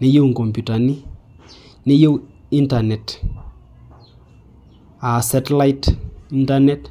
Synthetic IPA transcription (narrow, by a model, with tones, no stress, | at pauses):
ne˦jo˦wŋ˨kɔ˨mpju˨ta˨ni˦ | ne˦jo˦wi˦nta˨nɛ˨t | a˨sɛ˦tla˦jti˦nta˦nɛ˦t